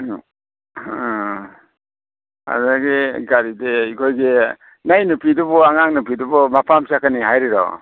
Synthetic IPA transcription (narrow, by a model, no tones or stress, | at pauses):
a̰ɾaɡeɡaɾideikʰojɡe | najnupʰidubɔaŋaŋnupidubɔmapʰamsakaniɦajɾiɾɔ̰